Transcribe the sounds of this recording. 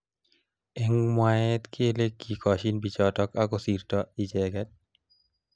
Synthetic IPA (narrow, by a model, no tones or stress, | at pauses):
ɛŋmwaɛt̪kʰelekːikʰɔʃinbit͡ʃɔtɔkakɔsirtɔid͡ʒɛɡɛt̚